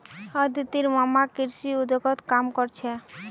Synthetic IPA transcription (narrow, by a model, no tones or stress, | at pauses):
əd̪it̪iɾmamakiɾʃiud̪ʱɔɡɔt̪kamkɔɾt͡ɕʰe